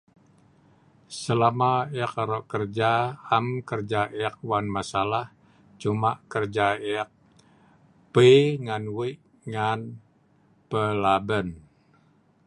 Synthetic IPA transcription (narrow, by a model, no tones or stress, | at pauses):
səlamaɛakaɾɔʔkərd͡ʒaamkərd͡ʒaʔɛak̚wanmasalah | t͡ʃumaʔkərd͡ʒaɛak̚ | peŋanwiʔ | ŋan | pəlabən